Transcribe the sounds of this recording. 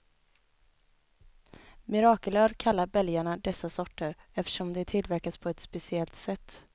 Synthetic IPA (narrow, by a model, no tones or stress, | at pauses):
mɪɾɑːkələɾkʰalːaɾbɛljaɳad̪ɛsːasɔʈːəɾ | ɛft̪ə̥ʂɔmd̪ɛt̪ʰɪlvæɾkaspʰɔɛt̪spɛsɪɛlt̪sɛt̪ː